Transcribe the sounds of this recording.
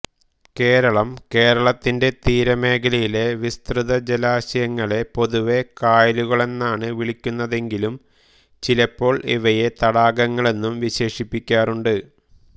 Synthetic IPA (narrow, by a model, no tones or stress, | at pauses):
ke̞ːɾɐɭɐmke̞ːɾɐɭɐt̪ːinde̞t̪iːɾɐme̞ːkʰɐlɐjile̞ʋist̪rɨðɐd͡ʑelaːɕɐjɐŋːɐɭe̞po̞ðuʋe̞kaːjɐluɣɐɭe̞nːaːɳɨʋiɭikʲːunːɐðe̞ŋɡilum | t͡ɕilɐpːo̞ːɭʔiʋɐje̞t̪ɐɽaːɡɐŋːɐɭe̞nːumʋiɕe̞ːʂipːikʲːaːruɳɖɨ